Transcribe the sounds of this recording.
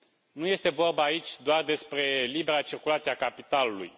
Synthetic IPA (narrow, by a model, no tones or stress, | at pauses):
nuje̞st̪e̞vo̞rbəait͡ʃʲd̪oard̪e̞spɾe̞libe̞ɾat͡ʃirkulat̪siakapit̪alulṵj